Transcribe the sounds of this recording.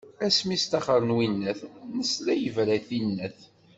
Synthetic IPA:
æsmist̪æχəɾˤənwinːæθnəslæjəvɾæθinːæθ

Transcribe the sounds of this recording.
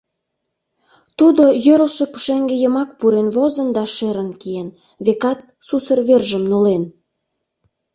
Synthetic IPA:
t̪ud̪ojøɾəlʃepu̥ʃeŋɡĕjəmɑkpuɾenβozə̆nd̪ɑʃeɾə̆nkien | βekɑt̪̚susə̆rβerʒəmnulen

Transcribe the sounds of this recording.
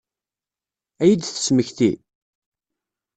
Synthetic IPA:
æjəd̪θə̥sməçθi

